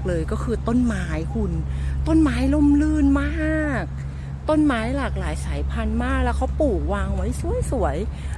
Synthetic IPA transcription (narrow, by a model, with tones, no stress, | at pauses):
k̚lɤː˧jkɔː˥˩kʰɯː˧t̪o˥˩˨nmaː˦˥jkʰu˧nt̪o˥˩˨nmaː˦˥jlo˥˩˨mlɯː˧˥˩nmaː˥˩˥k̚ | t̪o˥˩˨nmaː˦˥jlaː˨˩k̚laː˨˩˦jsaː˩˦jpʰa˧nmaː˥˩k̚lɛː˦˥wkʰa˦˥wpuː˨˩k̚waː˧ŋwa˦˥jsu˧˥˩əjsu˩˦əj